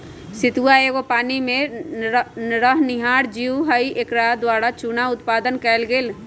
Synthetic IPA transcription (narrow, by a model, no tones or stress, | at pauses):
sɪt̪uaeɡopaːnimẽ | ɾəɦnɪɦaːɾd͡ʒiuɦəiʔekɾaːd̪waːɽat͡ʃunaʊt̪paːd̪ənkɛːlɡel